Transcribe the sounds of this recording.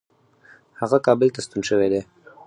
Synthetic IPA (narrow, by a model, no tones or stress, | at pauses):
haɣakɑbɪlt̪ast̪unʃəwed̪e